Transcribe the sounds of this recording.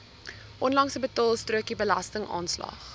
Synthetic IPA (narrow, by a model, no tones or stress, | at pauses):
ʔɔnlɐŋsəbətɑːlˠstruəkibəlɐ̰stəŋʔɑ̰ːnslɑ̰χ